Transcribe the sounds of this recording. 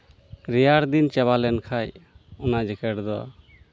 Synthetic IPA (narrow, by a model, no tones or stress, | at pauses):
ɾɛjaɾd̪int͡ʃɛβalɛnkʰajɔnad͡ʒɛkʰɛʈd̪ɔ